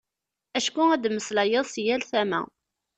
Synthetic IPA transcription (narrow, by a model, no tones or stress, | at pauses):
æʃkuæd̪məslæjəðˤsjælθæmæ̰